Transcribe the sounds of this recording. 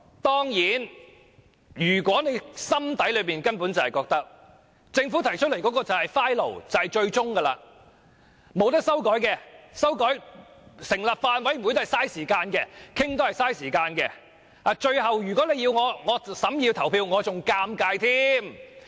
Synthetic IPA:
t̪ɔː˥ŋjiː˨˥n | jyː˨˩kwɔː˨˥ne˨˧jsɐ˥mt̪ɐ˨˥jlɵ˨˧miː˨˩nkɐ˥npu˨˥nt͡sɐ˨hɐ˨jkɔː˧k̚t̪ɐ˥k̚ | t͡sɪ˧ŋfu˨˥t̪ʰɐ˨˩jt͡ʃʰɵ˥lɐ˨˩jkɔː˨˥kɔː˧t͡sɐ˨whɐ˨jfaː˥jlo̰˨˩wt͡sɐ˨hɐ˨jt͡ʃɵ˧ɥt͡ʃʊ˥ŋkɐ˧la̰ː˧ | mo˨˧wt̪̬ɐ˥k̚sɐ˥wkɔː˨˥jkɛ˧sɐ˥wkɔː˨˥jsɪ˨˩ŋlaː˨p̚faː˧nwɐ˨˥ju˨˧jt̪o˥hjsaː˥jsiː˨˩kaː˧nkɛː˧kʰɪ˥ŋt̪o˥hɐ˨jsaː˥jsiː˨˩kaː˧nkɛ˧ | aː˨˧t͡ʃɵ˧ɥɦɐ˨wjyː˨˩kwɔː˨˥ne˨˧jiː˧wŋɔː˨˧ŋɔː˨˧sɐ˨˥mjiː˧wt̪ʰɐ˨˩wpʰiː˧wŋɔː˨˧t͡sʊ˨ŋkaː˧mkaː˧jt̪ʰiː˥m

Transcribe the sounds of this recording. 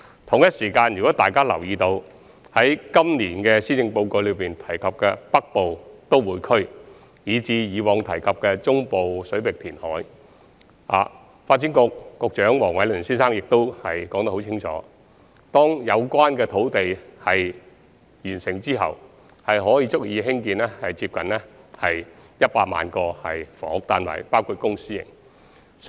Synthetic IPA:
t̪ʰʊ˨˩ŋjɐ˥t̚siː˨˩kaː˧njy˨kɔː˨˥t̪aː˨jkaː˥lɐ˨˩wjiː˨˧t̪o˧w | hɐ˨˥jkɐ˥mniː˨˩nkɛː˧siː˥t͡sɪ˧ŋpo˧wko˧ɥlɵ˨˧ɥpiː˨nt̪ʰɐ˨˩jkʰɐ˨p̚kɛː˧pɐ˥k̚po˨wt̪o˥wwuː˨˩jkʰɵ˥ɥ | jiː˨˧˥t͡siː˧jiː˨˧wɔː˨˧ŋt̪ʰɐ˨˩jkʰɐ˨p̚kɛː˧t͡sʊ˥ŋpo˨wsɵ˨˥ɥpɪ˨k̚t̪ʰiː˨˩nhɔ̰ː˨˥j | a̰ː˨ | faː˧t̚t͡si˨˥nkʊ˧k̚ːʊ˧k̚t͡ʃœː˨˥ŋwɔː˨˩ŋwɐ˨˧jlɵ˨˩nsiː˥nsaː˥ŋjɪ˨k̚t̪o˥whɐ˨jkɔː˨˥ŋt̪ɐ˥kho˨˧wt͡sʰɪ˥ŋt͡ʃʰɔ̰ː˨˦ | t̪ɔː˥ŋjɐ˨˧wkʷaː˥nkɛː˧t̪ʰo˨˥wt̪e˨jhɐ˨j | jyː˨˩nsɪ˨˩ŋt͡siː˥ɦɐ̰˨w | hɐ˨jɦɔː˨˥jiː˨˧t͡sʊ˥k̚jiː˨˧ɦɪ˥ŋkiː˧nɛː˥hɐ˨˩jt͡siː˧p̚kɐ˨nlɛː˥hɐ˨jjɐ˥t̚paː˧k̚ma̰ː˨nkɔː˧hɐ˨jfɔ̰ː˨˥k̚t̪aː˨nwa̰ː˨˩jpaː˥wkʰuː˨˧t̚kʊ˥ŋsiː˥jɪ̰˨˩ŋ

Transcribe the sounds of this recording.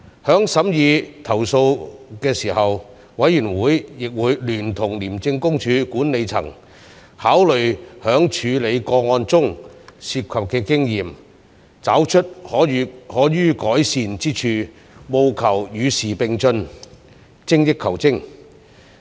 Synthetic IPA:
hœː˨˥ŋsɐ˨˥mjiː˨˧t̪ʰɐ˨˩wso˧wkɛː˧siː˨˩hɐ˨w | wɐ˨˥jːyː˨˩nwuː˨˥jjɪ˨k̚wuː˨˧jlyː˨˩nt̪ʰʊ˨˩ŋliː˨˩mt͡sɪ˧ŋkʊ˥ŋt͡ʃʰyː˨˧kuː˨˥nne˨˧jt͡sʰɐ̰˨˩ŋ | haː˨˥wlɵ˨ɥhœː˨˥ŋt͡ʃʰyː˨˧le˨˧jkɔː˧ŋɔː˧nt͡sʊ˥ŋsiː˧p̚kʰɐ˨p̚kɛː˧kɪ˥ŋjiː˨˩m | t͡saː˨˥wt͡ʃʰɵ˥t̚hɔː˨˥˨hɔː˨˥jyː˥kɔː˨˥jsiː˨nt͡siː˥t͡ʃʰyː˧ | mo˨˧wkʰɐ˨˩wjyː˨˧siː˨˩pɪ˨˧ŋt͡sɵ˧n | t͡sɪ˥ŋjɪ˥kʰːɐ˨˩wt͡sɪ˥ŋ

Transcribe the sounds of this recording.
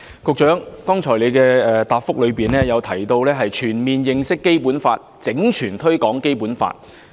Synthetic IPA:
kʊ˨˧k̚t͡ʃœː˨˥ŋkɔː˥ŋt͡ʃʰɔː˨˩jle˨˧jkɛː˧ɛː˨t̪aː˨˧p̚fʊ˥k̚lɵ˨˧ɥpiː˨nlɛː˥jɐ˨˧wt̪ʰɐ˨˩jt̪o˧wlɛː˥ɦɐ˨jt͡ʃʰyː˨˩nmiː˨njɪ˨˧ŋsɪ˥kːe˥jpuː˨˥nfaː˧t̚t͡sɪ˨˥ŋt͡ʃʰyː˨˩nt̪ʰɵ˥ɥkɔː˨˥ŋke˥jpuː˨˥nfa̰ː˧t̚

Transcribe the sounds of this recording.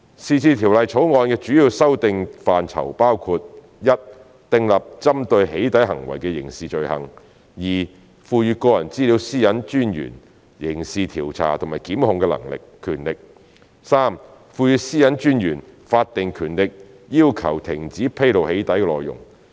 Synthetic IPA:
siː˨˧t͡sʰiː˧t̪ʰiː˨˩wlɐ˨˧jt͡sʰo˨˥wŋɔː˧nkɛː˧t͡ʃyː˨˥jiː˧wsɐ˥wt̪ɪ˧ŋfaː˨nt͡sʰɐ̰˨˩wpaː˥wkʰuː˧t̚ | jɐ˥t̚ | t̪ɪ˧ŋlɐ˨p̚t͡sɐ˥mt̪ɵ˧ɥɦe˨˥jt̪ɐ˨˥jɦɐ˨˩ŋwɐ˨˩jkɛː˧jɪ̰˨˩ŋsiː˨t͡ʃɵ˨ɥhɐ̰˨˩ŋ | jiː˨˩ | fuː˧jyː˧kɔː˧jɐ˨˩nt͡siː˥li˨˧˥wsiː˥jɐ˨˥nt͡ʃyː˥njy̰ː˨˩n | jɪ˨˩ŋsiː˨t̪ʰiː˨˩wt͡sʰa̰ː˨˩t̪ʰŋmaː˨˩jkiː˨˥mhʊ˨˧ŋkɛ˧lɐ̰˨˩ŋlɪ̰˨kʰːyː˨˩nlɪ˨k̚ | saː˥m | fuː˧jyː˨˧siː˥jɐ˨˥nt͡ʃyː˥njyː˨˩nfaː˧t̚t̪ɪ˨ŋkʰyː˨˩nlɪ˨k̚ | jiː˥wkʰɐ˨˩wt̪ʰɪ˨˩ŋt͡siː˨˥pʰe˥jlo˨˩whe˨˥jt̪ɐ˨˥jkɛ˧lɔː˨˩jːʊ̰˨˩ŋ

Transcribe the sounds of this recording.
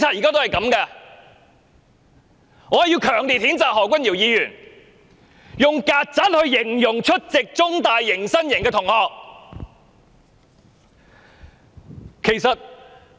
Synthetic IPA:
t͡sʰaː˧t̚jiː˨kaː˥t̪o˥whɐ˨˩jkɐ˨˧˥mkɛ˧ | ŋɔː˨˧˨jiː˧wkʰœː˨˩ŋliː˨t̚hiː˨˥nt͡saː˨k̚hɔː˨˩kʷɐ˥njiː˨˩wjiː˨˧jyː˨˩n | jʊ˨ŋkaː˧t̚t͡sɐ˨˥t̚hɵ˧ɥjɪ˨˩ŋjʊ˨˩ŋt͡ʃʰɵ˥t̚t͡sɪ˨k̚t͡sʊ˥ŋt̪aː˨jːɪ˨˩ŋsɐ˥njɪ˨˩ŋkɛː˧t̪ʰʊ˨˩ŋhɔː˨k̚ | kʰe˨˩jsɐ˨t̚

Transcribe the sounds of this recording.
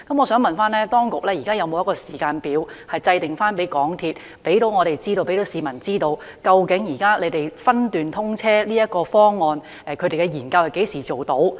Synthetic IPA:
kɐ˨˥mɔ˨˧sœː˨˥ŋmɐ˨nfaː˥nlɛː˥t̪ɔː˥ŋkʊ˨k̚lɛː˥jiː˨˩kaː˥jɐ˨˧wmo˨˧wjɐ˥kɔː˧siː˨˩kaː˧npiː˨˥whɐ˨jt͡sɐ˧jt̪ɪ˨ŋfaː˥npe˨˥jkɔː˨˥ŋt̪ʰiː˧t̚ | pe˨˥jt̪o˨˥wŋɔː˨˧ɾe˨jt͡siː˥t̪o˧wpe˨˥jt̪o˨˧wsiː˨˧mɐ˨˩nt͡siː˥t̪o˧w | kɐ˧wkɪ˨˥ŋjiː˨˩kaː˥le˨˧jt̪e˨jfɐ˥nt̪yː˨nt̪ʰʊ˥ŋt͡sʰɛː˥liː˥ɐ˥t̚kɔː˧fɔː˥ŋːɔː˨˧n | ʔɛ˨˧kʰɵ˨˧˥t̪ɾe˨jkɛ˧jiː˨˩nkɐ˧whɐ˨˩ke˨˥jsiː˨˩t͡ʃo˨wt̪o˨˥w

